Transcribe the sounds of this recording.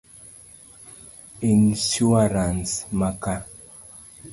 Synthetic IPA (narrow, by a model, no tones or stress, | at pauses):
insuaɾansmaka